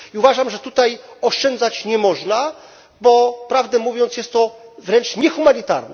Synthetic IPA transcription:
iuvaʐamʐɛt̪ut̪ajɔʂt͡ʂɛnd̪zat͡ɕɲɛmɔʐna | bɔpɾavd̪ɛmuvʲjɔnt̪sjɛst̪ːɔvɾɛnt͡ʂɲɛxumaɲit̪a̰ɾnɛ̰

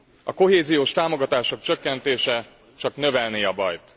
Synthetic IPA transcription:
ɒko̞ɦeːzijoːʃt̪aːmo̞ɡɒt̪aːʃo̞k̚t͡ʃø̞kːɛnt̪eːʃɛ | t͡ʃɒknø̞vɛlneːɒbɒjt̪

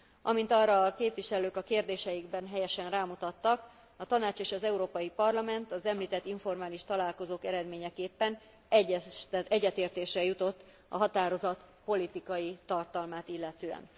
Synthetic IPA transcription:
ʔɒmint̪ɒrːɒːkeːpʋiʃɛløːkɒkeːrd̪eːʃɛjiɡbɛnɦɛjɛʃɛnraːmut̪ɒt̪ːɒk | ɒt̪ɒnaːt͡ʃeːʃɒzɛuɾoːpɒjipɒrlɒmɛnt̪ɒzɛmliːt̪ɛt̪ːiɱfo̞rmaːliʃt̪ɒlaːlko̞zoːkɛɾɛd̪meːɲɛkeːpːɛn | ɛɟ̪ɛɟːɛt̪eːrt̪eːʃrɛjut̪o̞t̪ː | ɒ̰ɦɒt̪aːɾo̞zɒt̪ | po̞lit̪ikɒjit̪ɒrt̪ɒlmaːt̪ilːɛt̪øːɛ̰n

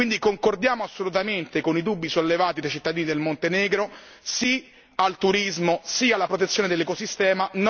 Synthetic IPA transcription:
ind̪ikoŋkord̪jaːmoasːolut̪ament̪ekonid̪ubːisolːevaːt̪id̪ajt͡ʃit̪ːad̪iːnid̪elmont̪enɛːɡɾo | si | alt̪uɾizmosialːapɾot̪et̪sjoːned̪elːekosist̪ɛːman

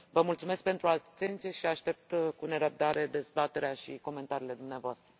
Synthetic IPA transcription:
vəmult̪sume̞sk̚pe̞nt̪ɾuat̪ːe̞nt̪sijeʃiaʃt̪e̞p̚t̪kune̞ɾəb̚d̪aɾe̞d̪e̞zbat̪e̞ɾeaʃiko̞me̞nt̪aɾiːle̞d̪umneavoast̪ɾə

